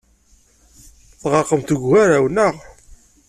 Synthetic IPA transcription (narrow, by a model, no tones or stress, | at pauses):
θʁɑqəmt̪ɡʷhaɾawnəʁ